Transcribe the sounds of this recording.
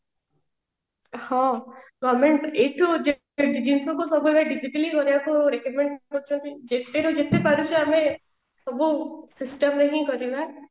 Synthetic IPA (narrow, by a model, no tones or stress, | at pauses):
hɔ̃ɡɔmeɳʈeʈʰud͡ʒe | d͡ʒinsɔkusɔbuemeɖid͡ʒiʈəlikɔɾijakuɾekɔmẽɳʈkɔɾt͡ʃʰɔ̃nt̪ʰid͡ʒet̪eɾud͡ʒet̪epaɾut͡ʃʰiamẽ | sɔbusisʈəmɾeɦĩkɔɾina